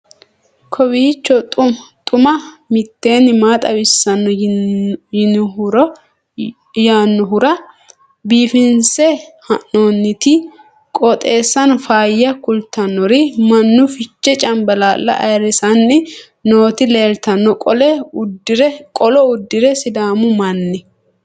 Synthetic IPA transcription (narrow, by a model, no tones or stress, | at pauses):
kʰɔbiːt͡ʃːɔtʼt̪ʼʊmɐmɪt̪ːe̞ːnːɪmaːt̪ʼɐwɪsːɐnːɔ | ɪɾ | jaːnːɔɦʊɾɐ | biːfɪnsɛhɐʔoːnːɪt̪ɪ | kʼɔt̪ʼe̞ːsːɐnfaːjːɐkʊlt̪ɐnːɔɾɪmɐnːʊfɪt͡ʃːɛt͡ʃʼɐmbɐlaːlːɐ̰ʔɐ̰jɾɛsɐnːɪ | no̞ːt̪ɪle̞ːlt̪ɐnːɔkʼɔlɛʊd̪ːɪɾɛkʼɔlɔʊd̪ːɪɾɛsɪd̪aːmʊmɐnːɛ